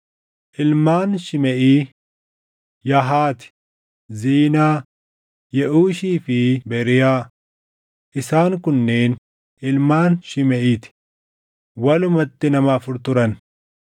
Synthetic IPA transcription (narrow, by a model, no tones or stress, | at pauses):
ʔɪlmaːnʃɪmɛʔiː | jɐɦaːt̪ɪ̥ | ziːnaː | jɛʔuːʃiːfɪbɛɾɪjaː | ʔɪsaːŋkʊnːe̞ːn | ʔɪlmaːnʃɪmɛʔiːt̪ɪ̥ | wɐlʊmɐt̪ːɪnɐmaːfʊɾt̪ʊɾɐn